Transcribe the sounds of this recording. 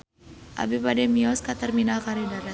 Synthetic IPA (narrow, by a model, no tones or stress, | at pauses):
ʔa̰bipadɛmiɔskat̪ərminalkaɾidaɾa